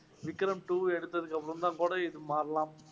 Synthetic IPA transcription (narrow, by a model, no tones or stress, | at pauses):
ʋɪkːɾɐmʈuɛɽɯt̪ːɐðɯkːɐpːɯɾumd̪aːŋkuːɽɐɪðɯmaːɾɐlaːm